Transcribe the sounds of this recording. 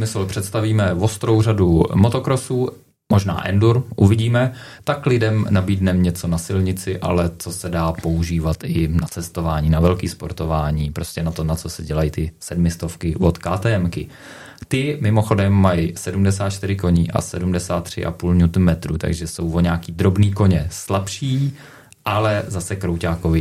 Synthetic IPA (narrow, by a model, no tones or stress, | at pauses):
mɪsɛlpr̝̥ɛt̪st̪aviːmɛvo̞st̪ɾo̞wr̝adumo̞t̪o̞kɾo̞suː | mo̞ʒna̰ːʔɛ̰nduɾʔuvɪɟiːmɛt̪aklɪdɛmnabiːdnɛmɲɛt͡so̞nasɪlɲɪt͡sɪʔa̰lɛt͡so̞sɛdaːpo̞uʒiːvat̪ɪnat͡sɛst̪o̞vaːɲiːnavɛlkiːspoɾt̪o̞vaːɲiːpɾo̞scɛnat̪o̞nat͡so̞sɛɟɛlajit̪ɪsɛdmɪst̪o̞fkɪvot̪kaːt̪ɛːɛmkɪ | t̪ɪmɪmo̞xo̞dɛmːajsɛdumdɛsaːt̪̚t͡ʃt̪ɪɾɪko̞ɲiːʔa̰sɛdumdɛsaːt̪ːr̝̥ɪ̰ʔa̰puːlɲut̪umɛt̪ɾuːt̪a̰ɡʒɛso̞wvoɲaːkiːd̪ɾo̞bniːko̞ɲɛslapʃiː | ʔalɛzasɛkɾowcaːkovɪ